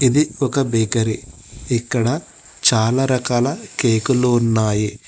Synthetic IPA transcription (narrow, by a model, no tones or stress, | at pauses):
id̪iɔkɐbeːkɐɾiː | kːɐɽɐ | t͡ʃaːlɐɾɐkaːlɐkeːkuluunːaːji